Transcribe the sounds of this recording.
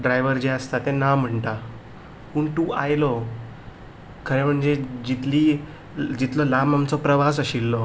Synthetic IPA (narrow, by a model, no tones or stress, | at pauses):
ɖɾajʋəɾd͡ʑeəst̪at̪enam̤əɳʈ̪a | puːɳʈuʔajlɔ | kʰəɾem̤əɳd͡zed͡ʑit̪liː | d͡ʑit̪lɔlamamt͡sɔpɾəʋasəɕilːɔ